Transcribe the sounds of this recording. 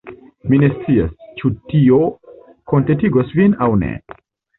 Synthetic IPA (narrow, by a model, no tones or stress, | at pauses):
minesiɐst͡ʃut̪ːijo | kõnt̪et̪iɡoswinawnḛ